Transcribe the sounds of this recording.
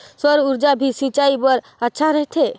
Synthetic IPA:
sɔɾuɾd͡ʒabʱisit͡ʃaibɔɾ | ətːʃʰaɾəɦt̪ʰe

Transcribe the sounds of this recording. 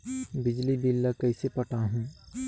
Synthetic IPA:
bɪd͡ʒlibilːəkɐisepɐʈaɦũː

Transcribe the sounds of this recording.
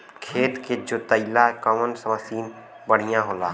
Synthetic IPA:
kʰeːt̪ked͡ʒot̪əɪlakəmənsəməsiːn | bəɽ̤ijãɦoːlaː

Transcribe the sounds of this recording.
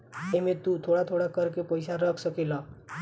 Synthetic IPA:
emet̪ut̪ʰoɽat̪ʰoɽakəɾkepəjsaɾəkʰsəkelə

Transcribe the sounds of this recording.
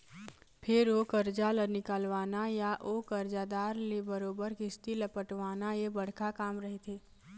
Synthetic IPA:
pʰɪɾoːkəɾd͡ʒalənɪkaːlʋaːnajaʔokəɾd͡ʒad̪aːɾlebəɾoːbəɾkɪst̪iləpəʈʋaːnajebəɽ̤kakaːmɾəɦet̪ʰeː

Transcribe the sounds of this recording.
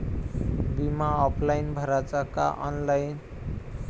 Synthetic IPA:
bimaɔpʰlajnbʱʌɾat͡saka̰ʔʌ̰nlajn

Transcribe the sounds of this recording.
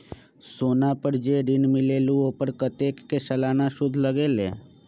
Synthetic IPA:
soːnapəɾd͡ʒeːɾɪnmɪleːluoːpəɾkət̪eːkːesəlaːnaʃʊd̪ʱləɡeːleː

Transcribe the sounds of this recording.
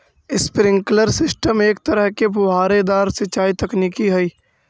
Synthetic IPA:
ɪspɾɪ̃ŋkləɾsɪsʈəmeːk̚t̪əɾəɦkepʊɦaːɾed̪aːɾsɪt͡ʃaːit̪ɐkniːkiɦɛiː

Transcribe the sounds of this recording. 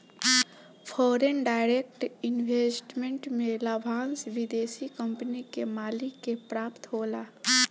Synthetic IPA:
pʰɔːɾenɖaːɪɾeːk̚ʈɪnʋeːsʈmẽɳʈmẽləbʱãːnsʋɪd̪eːʃikə̃mpnikemaːlɪkːepɾaːpt̪ɦoːlaː

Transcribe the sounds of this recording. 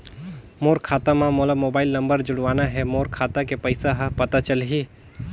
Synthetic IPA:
moːɾkʰaːt̪amãmoːləmoːbaːɪlnɐ̃mbəɾd͡ʒʊɽʋaːnaɦɛmoːɾkʰaːt̪akepɐɪsaɦãpɐt̪at͡ʃəlɦiː

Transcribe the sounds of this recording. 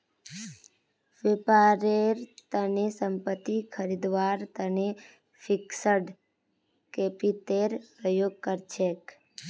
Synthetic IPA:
ʋepaɾeɾt̪ənesəmpət̪ːikʰəɾid̪ʋaɾt̪əne | fʰɪksəɖ | kepit̪eɾpɾəjoɡ̚kəɾt͡ʃʰek

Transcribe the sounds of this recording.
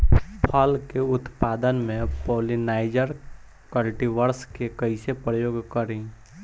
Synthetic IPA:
pʰəlkeʊt̪paːd̪ənmẽpoːlinaːɪd͡ʒəɾ | kəlʈiʋəɾskekəisepɾəjoːɡkəɾẽ

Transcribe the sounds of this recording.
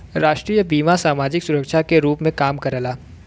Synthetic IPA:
ɾaːʃʈɾiːjəbiːmasaːmaːd͡ʒɪksʊɾəkʃakeɾuːpmẽkaːmkɐɾəlaː

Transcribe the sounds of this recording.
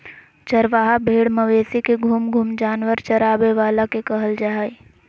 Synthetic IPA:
t͡ʃɐɾʋaːɦabʱeːɽməʋeːsikeɡʱuːmɡʱuːmd͡ʒaːnʋəɾt͡ʃɐɾaːbeʋaːlakekəɦəld͡ʒaɦaːi

